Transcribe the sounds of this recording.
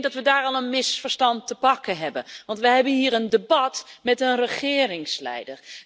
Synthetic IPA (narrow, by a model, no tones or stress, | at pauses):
dɑtʋədaːɹɑlˠənmɪsfəɹstɑntːəpɑkənɦɛbənʋɑntʋəɦɛbənɦiːəɹəndebɑtmɛtənrəχɪːrɪŋslɛ̰jdəɹ